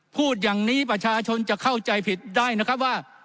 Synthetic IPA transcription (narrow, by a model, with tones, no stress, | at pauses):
pʰuː˥˩t̪̚jaː˨˩ŋniː˦˥pɾa˧t͡ɕʰaː˧t͡ɕʰo˧nt͡ɕa˨˩kʰa˥˩wt͡ɕa˧jpʰi˨˩t̪̚daː˥˩jna˦˥kʰa˦˥p̬̚waː˥˩